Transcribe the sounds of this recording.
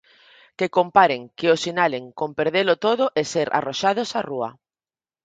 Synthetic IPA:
kekompaɾeŋkeosinaleŋkompeɾðelot̪oðʊʔeseɾʔa̰roʃað̞osarua̰

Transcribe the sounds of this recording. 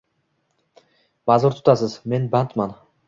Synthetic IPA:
mɑzuɾt̪ʰʊ̥t̪ɑsɯzme̞nbant̪mɑn

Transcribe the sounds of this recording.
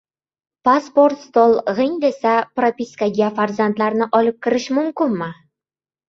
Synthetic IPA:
paspoɾt̪st̪olˠʁɪŋd̪esapɾapʲiskaɡʲafaɾzant̪laɾnɪʔɒlˠɪp̚kʲʰɪɾɪʃmʊmkʲɪnmɪ

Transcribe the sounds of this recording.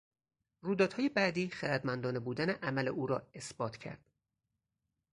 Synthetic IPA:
ruːd̪ɒːd̪hɒːje̞bæd̪iːχeɾæd̪mænd̪ɒːnebuːd̪æneʔæmæle̞ʔuːɾɒːe̞sb̥ɒːt̪ʰcʰæ̰ɾd̪̥

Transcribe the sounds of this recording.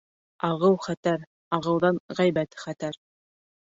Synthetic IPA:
ɑʁɤwχæt̪æɾ | ɑʁɤ̆wðɑnʁæjbæt̪χæt̪æɾ

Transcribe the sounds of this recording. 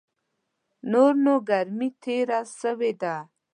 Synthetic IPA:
noːɾnoɡɐɾmit̪ʰeːɾasəwed̪aː

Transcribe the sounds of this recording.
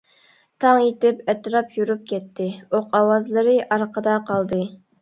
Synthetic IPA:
t̪ʰɑŋet̪ɪpɛt̪ɾɑpjuɾup̚kʲɛt̪ʰːɪoqɑwɑzlˠɨɾɨʔɑɾqʰəd̪ɑqʰɑlˠd̪ɨ

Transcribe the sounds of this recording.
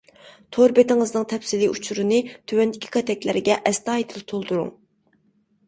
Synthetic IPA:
t̪ʰoɾbet̪ɪŋɨznɨŋt̪ʰɛpsɪliut͡ʃʰuɾɨnɨt̪ʰywɛnd̪ɪkʲʰi̥kʰɑt̪ʰɛkʲlɪɾɪɡʲɛʔɛst̪ɑːjit̪ʰɪlt̪ʰolˠd̪uɾṵŋ

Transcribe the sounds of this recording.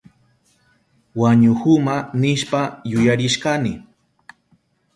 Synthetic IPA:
waɲʊhʊmanɪʃpajʊjaɾɪʃkanɪ

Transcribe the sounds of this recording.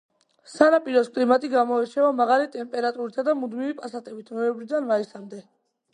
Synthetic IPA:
sanapʼiɾɔskʼlimat̪ʼiɡamɔɛɾt͡ʃʰɛvamaʁalit̪ʼɛmpʼɛɾat̪ʼuɾisʰad̪amud̪mivipʼasat̪ʼɛbit̪ʰnɔɛmbɾid̪anmaisamd̪ɛ

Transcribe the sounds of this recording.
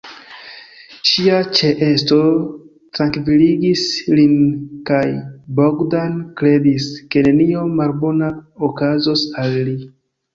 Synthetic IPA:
ʃiat͡ʃeʔe̞sto̞ | tɾaŋkviliɡislinkajboɡdankɾe̞diske̞ne̞nio̞malbo̞naokazo̞salːi

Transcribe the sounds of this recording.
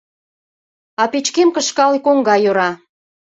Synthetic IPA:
ɑpet͡ɕkemkəʃkɑlikoŋɡɑjoɾɑ

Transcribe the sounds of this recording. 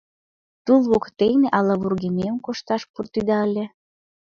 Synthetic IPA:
t̪ulˠβokt̪ejneʔɑlɑβurɣenemkoʃt̪ɑʃpurt̪yd̪ɑəlʲĕ

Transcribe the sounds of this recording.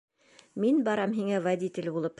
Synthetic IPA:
minbɑɾɑmɦiŋævad̪ʲit̪ʲɪlʲbulˠɤp

